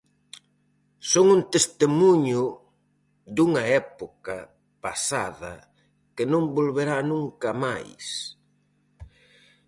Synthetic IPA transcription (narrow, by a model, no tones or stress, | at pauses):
soŋunt̪est̪emuɲʊ | d̪uŋɐɛpokɐ | pa̰sa̰ðɐ̰ | kɪnõmbolβeɾanũŋkɐmajs